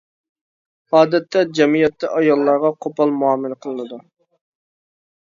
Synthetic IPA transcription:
ɑːd̪ɛt̪ʰːɛd͡ʒɛmijɛt̪ːɛʔɑjɑlˠːɑɾʁɑqʰopɑlˠmuɑmːɨlqʰəlˠɨnɨd̪u

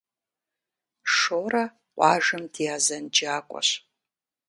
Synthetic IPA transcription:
ʂoːɾɐ | qʷʼɑ̰ːʒɨmdijaːzɐnd͡ʒaːkʷʼɔ̰ɕ

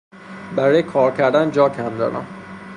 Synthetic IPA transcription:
bæɾɒːjekʰɒːɾcʰæɾd̪ænd͡ʒɒːcʰæmd̪ɒ̰ːɾʔæ̰m

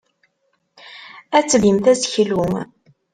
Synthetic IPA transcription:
æt͡sːəvimθæzçlu

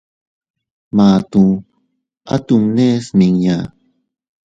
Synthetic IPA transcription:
maːt̪uŋ | a̰t̪uŋnesmɪŋja

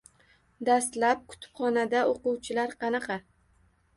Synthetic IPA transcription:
d̪ast̪lap̚kʰʊ̥t̪ʰɪ̥pχɒnad̪aoqʊwt͡ʃʰɪlaɾqʰɑnɑqʰɑ

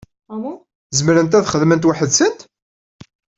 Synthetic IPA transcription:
zəmɾənt̪æθχəðmənt̪waħəðsənt̪

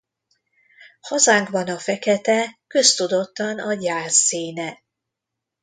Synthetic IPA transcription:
hɒzaːŋkbɒnɒfɛkɛt̪ɛkø̞st̪ud̪o̞t̪ːɒnɒɟaːzːiːnɛ

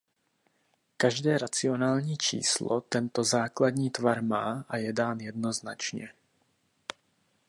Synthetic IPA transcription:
kaʒdɛːɾat͡sɪo̞naːlɲiːt͡ʃḭːslot̪ɛnt̪o̞zaːkladɲiːt̪vaɾmaːʔajɛdaːnjɛdno̞znat͡ʃɲɛ̰

